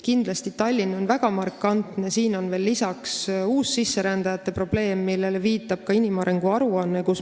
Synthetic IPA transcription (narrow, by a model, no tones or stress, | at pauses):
kind̪̥lɑst̪it̪ɑlʲːino̞nvæɡɑmɑrkːˑɑnt̪nesiːno̞nve̞ːlːisɑksuːsːisːe̞ɾænd̪̥ɑjɑt̪ˑːe̞pro̞b̥le̞ːmːilːe̞le̞viːt̪ːˑɑb̥̚kɑinʲimɑɾe̞ŋɡuɑɾuɑnːe̞kus